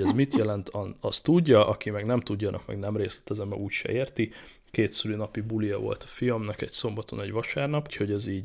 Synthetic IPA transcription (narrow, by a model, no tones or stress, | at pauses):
ɛzmit̪jɛlɛnt̪ʰɒnɒst̪uɟːɒʔɒkimɛɡnɛmt̪uɟːɒnʔɒ̰kmɛ̰ɡnɛmreːslɛ̥t̪ɛzɛmːɛ̰uːcʃɛ̰eːrt̪i | keːt̪syɾyːnɒpibulijɒvo̞̰lt̪ɒ̥fiɒmnɒkɛcso̞mbɒt̪o̞nɛɟʋɒʃaːrnɒpucho̞ɟɛziːɟ